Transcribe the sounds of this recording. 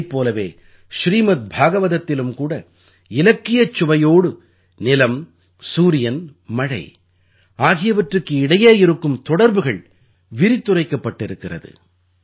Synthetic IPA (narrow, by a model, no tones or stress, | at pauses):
pːoːlɐʋḛː | ʃɾiːmɐt̪̚bʱaːɣɐʋɐðɐt̪ːɪlɯmkuːɽɐ | ɪlɐkːɪjɐt͡ʃːʊʋɐjoːɽɯ | nɪlɐm | suːɾɪjɐnmɐɽɐ̰ɪ | aːɣɪjɐʋɐʈrɯkːɯɪɽɐjeːɪɾɯkːɯmt̪ɔɽɐɾbɯɣɐɭ | ʋɪɾɪt̪ːʊrɐɪkːɐpːɐʈːɪɾɯkːɪrɐ̰ðɯ̰